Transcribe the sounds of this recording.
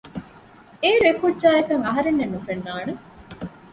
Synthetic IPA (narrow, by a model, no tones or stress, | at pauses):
eːɾuekudd͡ʒaːekɐŋɐɦɐɾenːenːufenːaːne